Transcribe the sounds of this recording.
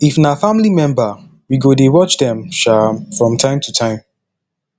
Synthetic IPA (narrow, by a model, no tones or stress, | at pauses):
ifnafamlimɛ̃mba | wiɡodewɔt͡ʃdɛ̃mʃamfɹɔ̃mtʰãɪ̃mtʰutʰãɪ̃m